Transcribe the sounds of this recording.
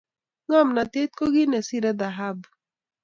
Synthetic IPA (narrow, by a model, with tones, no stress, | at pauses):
ŋa˦˨mna˨t̪e˦t̪̚ko˦ɡi˦nɛ˨si˦ɾɛ˦d̪a˨ɦa˦b